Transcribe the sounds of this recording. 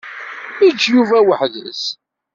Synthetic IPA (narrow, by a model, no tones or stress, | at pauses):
id͡ʒːjuvæwəħðə̰s